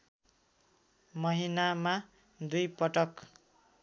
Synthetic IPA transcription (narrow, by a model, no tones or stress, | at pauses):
mʌɦinama | d̪ujpʌʈʌk